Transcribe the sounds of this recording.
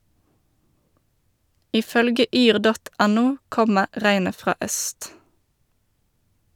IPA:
ˈiː ˈfœlɡə ˈyːʁ ˈdɔt ˈɛˌnuː ˈkɔmə ˈʁæɪnə ˈfʁɑː ˈœst

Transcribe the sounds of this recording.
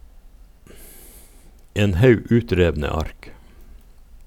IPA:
ˈeːn ˈhɑʉ ˈʉːˌtɾeːʋnə ˈɑɾk

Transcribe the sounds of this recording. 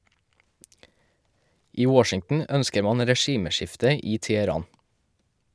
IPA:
ˈiː ˈwɔʃɪŋtn̩ ˈœnskə ˈmɑn ɾɛˈʃiːməˌʃɪftə ˈiː tɛɛˈɾɑːn

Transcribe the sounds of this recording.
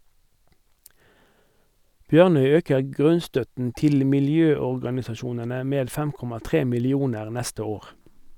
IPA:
ˈbjœʁnœʏ ˈøːkəʁ ˈɡʁʉnˌstœtn̩ ˈtɪl mɪlˈjøːɔʁɡɑnɪsɑˌʃuːnənə ˈmeːd ˈfɛm ˈkɔmɑ ˈtʁeː mɪlɪˈuːnəʁ ˈnɛstə ˈoːʁ

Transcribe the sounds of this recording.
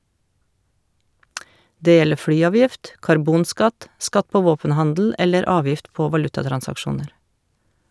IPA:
ˈdeː ˈjɛlə ˈflyːˌɑːʋjɪft kɑɾˈbuːnˌskɑt ˈskɑt ˈpoː ˈʋoːpənˌhɑndl̩ ˈɛləɾ ˈɑːʋjɪft ˈpoː ʋɑˈlʉtɑtɾɑnsɑkˌʃuːnəɾ

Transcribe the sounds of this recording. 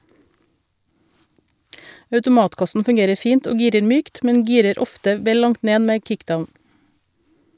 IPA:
ɑʉtʊˈmɑːtˌkɑsn̩ fʉŋˈɡeːɾəɾ ˈfiːnt ˈoː ˈɡiːɾəɾ ˈmyːkt ˈmɛɲ ˈɡiːɾəɾ ˈɔftə ˈʋɛl ˈlɑŋt ˈneː ˈmeː ˈkɪkˌdaʊn

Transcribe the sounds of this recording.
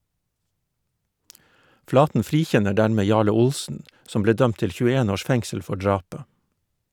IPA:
ˈflɑːtn̩ ˈfɾiːˌçɛnə ˈɖæɾmeː ˈjɑːɭə ˈʊlsn̩ ˈsɔm ˈbleː ˈdœmt ˈtɪl çʉːəˈeːn ˈoːʃ ˈfɛŋsəl ˈfɔ ˈɖɹɑːpə

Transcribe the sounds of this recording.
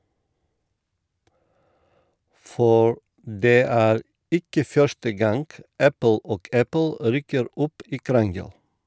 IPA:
ˈfɔɾ ˈdeː ˈæːɾ ˈɪkə ˈfœʃtə ˈɡɑŋɡ ˈæpl̩ ˈoːɡ ˈæpl̩ ˈɾyːkəɾ ˈɔp ˈiː ˈkɾɑŋɡəl

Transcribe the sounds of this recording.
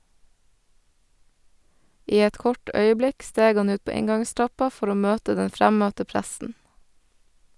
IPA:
ˈiː ˈɛt ˈkɔʈ ˈœʏəˌblɪk ˈsteːɡ ˈhɑn ˈʉːt ˈpoː ˈɪŋɡɑŋˌstɾɑpɑ ˈfɔɾ ˈoː ˈmøːtə ˈdɛn ˈfɾæmœtə ˈpɾæsn̩

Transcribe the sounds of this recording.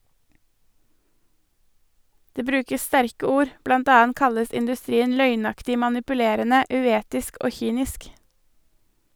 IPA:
ˈdeː ˈbɾʉːkəs ˈstæɾkə ˈuːɾ ˈblɑnt ˈɑːɑnt ˈkɑləs ɪndʉˈstɾiːən ˈlœʏˌnɑktɪ mɑnɪpʉˈleːɾənə ʉˈeːtɪsk ˈoː ˈçyːnɪsk

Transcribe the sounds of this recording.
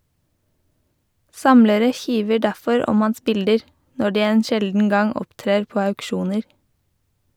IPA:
ˈsɑmləɾə ˈçiːʋə ˈɖæfɔɹ ˈɔm ˈɑns ˈbɪldəɾ ˈnɔ ˈɖiː ˈeːn ˈʃɛldn̩ ˈɡɑŋ ˈɔptɾeːɹ ˈpoː ɑʉkˈʃuːnəɾ

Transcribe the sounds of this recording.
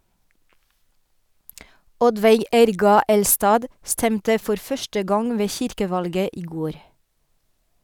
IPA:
ˈɔdʋæɪ ˈɛɾɡɑ ˈɛlstɑːd ˈstɛmtə ˈfɔɾ ˈfœʃtə ˈɡɑŋ ˈʋeː ˈçɪɾkəˌʋɑlɡə ˈiː ˈɡoːɾ

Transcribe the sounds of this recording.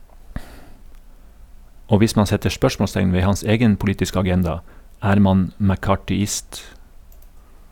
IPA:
ˈoː ˈʋɪs ˈmɑn ˈsɛtə ˈʃpœʃmɔˌstɛŋn ˈʋeː ˈhɑns ˈeːɡən pʊˈliːtɪsk ɑˈɡɛndɑ ˈæːɾ ˈmɑn mækɑːʈʏˈɪst

